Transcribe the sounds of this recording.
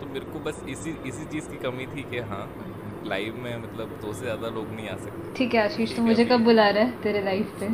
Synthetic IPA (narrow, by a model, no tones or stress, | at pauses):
t̪omeːɾekobɐsɪsiɪsit͡ʃiːzkikɐmit̪ʰiːkɛɦãː | la̰ːɪʋmẽmɐt̪ləbt̪ʰoːsezjaːd̪aloːɡnɐɦĩaːsɐk̚t̪eʈʰiːkɦɛaːʃiːʃt̪omʊd͡ʒʱekɐb̚bʊlaːɾaɦɛt̪eːɾelaɪfse